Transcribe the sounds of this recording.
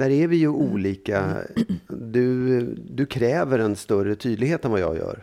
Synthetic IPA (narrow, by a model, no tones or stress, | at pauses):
d̪æːɾæɾvɪjɵʔuːliːka̰ | d̪ɵd̪ɵkʰɾɛːvəɾɛnst̪œrət̪ʰyːd̪lɪɡheːt̪əɛnvajɑ̰ːɡjœ̰ːɾ